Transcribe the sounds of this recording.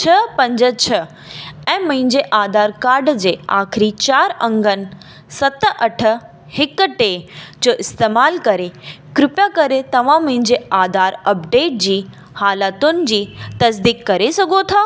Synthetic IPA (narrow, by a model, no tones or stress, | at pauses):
t͡ɕʰɐpɐ̃ɲd͡ʑət͡ɕʰɐ | ɛ̃ːmɐ̃ɦɪ̃ɲd͡ʑeʔaːd̪ʱaːɾkaːɾɖd͡ʑeːa̰ːkʰɪɾit͡ɕaːɾɐ̃ŋɡənɪ̆ | sɐt̪ʔɐʈʰə̆ | hɪkʈeːd͡ʑoːʔɪst̪eːmaːlkɐɾekɾɪpjakɐɾet̪ɐʋ̤ãmɐ̃ɦɪ̃ɲd͡ʑeaːd̪ʱaːɾɐpɖeːʈ̚d͡ʑiː | haːlaːt̪ʊnɪ̆d͡ʑiːt̪ɐsd̪iːkːɐɾesɐɡʱot̪ʰaː